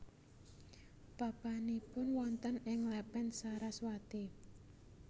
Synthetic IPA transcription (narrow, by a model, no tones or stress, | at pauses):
b̥a̤b̥anipʊnwɔnt̪ənɪŋlɛpɛnsaɾaswad̪̥e